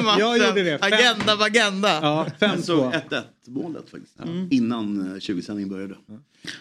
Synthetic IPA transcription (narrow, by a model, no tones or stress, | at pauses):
maudədɛaɡɛnd̪avaɡɛnd̪afɛsɔɛt̪ːɛt̪moːlə̰t̪fa̰k̚t̪ɪ̥st̪ɪnːanɕʉ̟ːɡəsɛnɪŋənbœɾjad̪ə